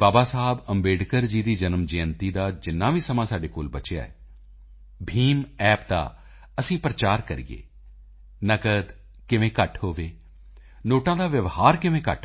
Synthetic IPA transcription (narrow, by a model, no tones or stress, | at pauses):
baːbaːsaːbəmbeːɖkəɾd͡ʒiːd̪iːd͡ʒənəmd͡ʒeːənt̪iːd̪aːd͡ʒɪnːãːʋiːsəmãːsaːɖeːkoːlbət͡ʃeja̰ːɛ̰ː | bʱiːmɛːpd̪a̰ː | əsĩːpɾət͡ʃaːɾkəɾḭːḛː | nəkəd̪ | kɪʋẽːkəʈʰɦoːʋeː | noːʈãːd̪aːʋjəʋhaːɾkɪʋẽːkə̰ʈ